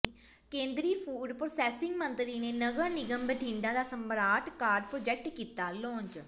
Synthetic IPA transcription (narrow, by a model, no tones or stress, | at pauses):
kẽːnd̪ɾiːpʰuːɖpɾoːsɛːsɪŋɡmənt̪ɾiːneːnəɡəɾnɪɡəmbəʈʰĩːɳɖãːd̪aːsəmbəɾaːʈʰkaːɾɖpɾoːd͡ʒɛːk̚ʈkiːt̪aːlõːɲd͡ʒ